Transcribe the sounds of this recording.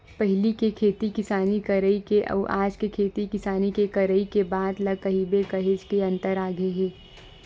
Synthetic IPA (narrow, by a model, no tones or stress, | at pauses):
pəɦɪlikekʰeːt̪ikɪsaːnikɐɾəikeʔɐ̰ːʔaːd͡ʒkekʰeːt̪ikɪsaːnikekɐɾəikebaːd̪lɐkɐɦibekɐɦed͡ʒkeɐ̃nt̪əɾaːɡeɦeː